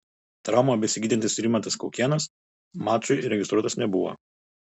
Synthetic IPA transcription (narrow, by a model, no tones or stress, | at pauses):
t̪ɾɑˑʊmobʲɛsʲɪɡʲiːd̪ʲɪnt̪ʲɪsɾʲimʲɐnt̪ɐskɔʊkʲiɛnɐs | mɑːt͡ʃʊɪɾʲɛɡʲɪst̪ɾuɔt̪ɐsnʲɛbʊʋo̰ː